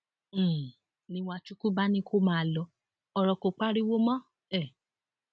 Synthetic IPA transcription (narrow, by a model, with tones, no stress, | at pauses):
nĩ˧˦wa˧t͡ʃu˦ku˦ba˦nĩ˦kʰo˦mãː˦˨˧lɔ˧˦ | ɔ˨ɾɔ˨ko˨k͡pa˦ɾi˦wo˦mã˦ | ɛ˦˨